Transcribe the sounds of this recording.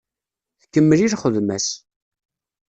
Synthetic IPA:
θkːəmːəliɾχəðmæs

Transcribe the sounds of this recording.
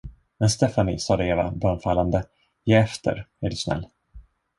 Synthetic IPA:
mɛnst̪ɛfanɪ̰sɑːd̪ɛeːva̰bœːɳfalːand̪ə | jɛːɛft̪ʰə̰ɾæɖɵsnɛ̰lː

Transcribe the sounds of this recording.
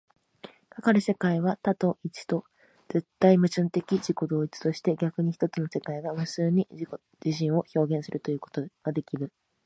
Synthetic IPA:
kakaɾɯ̟se̞kaiβat̪at̪o̞ʔit͡ɕi̥t̪o̞ | d͡z̥e̞t̪ːaimɯ̟t͡ɕɨ̃nt̪e̞kʲid͡ʑiko̞d̪o̞ːit͡sɨ̥t̪o̞ɕi̥t̪e̞ɡʲakɯ̟ɲ̟içi̥t̪o̞t͡sɨno̞se̞kaiɡamɯ̟sɨːɲ̟iiko | d͡ʑiɕ̬ĩɰ̃o̞ço̞ːɡẽ̞ɰ̃sɨɾɯ̟t̪o̞jɯ̟ːko̞t̪oɡ̥ad̪e̞kʲiɾɯ̟

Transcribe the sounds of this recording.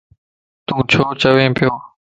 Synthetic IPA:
t̪ũːt͡ɕʰoːt͡ɕəʋẽːpʰɪjoː

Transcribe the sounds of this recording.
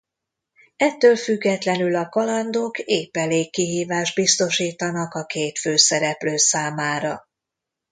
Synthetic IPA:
ɛt̪ːøːlfyɡːɛt̪lɛnylɒkɒlɒnd̪okeːpːɛleːkːiɦiːvaːʒd̪̚bist̪o̞ʃiːt̪ɒnɒkɒkeːt̪føːsɛɾɛpløːsaːmaːɾɒ

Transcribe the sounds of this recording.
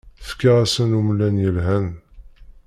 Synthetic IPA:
fkːaʁæsənumlænjəlɦæn

